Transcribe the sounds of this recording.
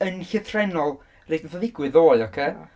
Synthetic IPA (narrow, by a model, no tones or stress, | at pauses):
ənɬɪθrɛnɔlˠ | rejdnaθɔðɪɡwɨðoːjɔkʰeː